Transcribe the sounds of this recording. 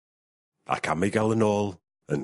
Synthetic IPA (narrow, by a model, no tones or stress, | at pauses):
a̰kʰamɪɡalˠənɔːlˠ | ən